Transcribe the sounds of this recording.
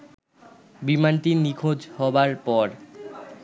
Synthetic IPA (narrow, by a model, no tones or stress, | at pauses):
bimanʈinikʰod͡ʑhɔbaɾpɔɾ